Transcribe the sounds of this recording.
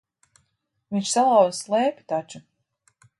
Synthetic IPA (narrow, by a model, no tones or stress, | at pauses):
vinʲt͡ʃsalˠawvslˠɛːpʲi̥t̪at͡ʃu